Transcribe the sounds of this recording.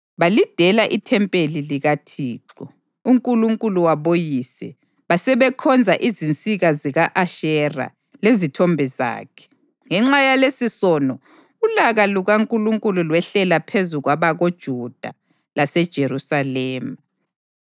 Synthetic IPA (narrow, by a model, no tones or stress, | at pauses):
βalid̥ʱɛlaʔitʰɛmpʼeliliɣatʰiːǁɔ | uŋkʼuluŋkʼuluwaβojiːsɛ | βasɛβɛkʰɔnd͡zʱaʔizint͡sʼiɣaziɣaʔaʃɛra̰ | lezitʰɔmbʱɛza̰ːkʰɛ̥ | ŋɛŋ͡ǁajalesisɔnɔ | ulaɣaluɣaŋkʼuluŋkʼululwɛɬɛlapʰezuɣwaβaɣod̥ʒ̥ʱud̥ʱa̰ | lasɛd̥ʒ̥ʱeɾusalɛːma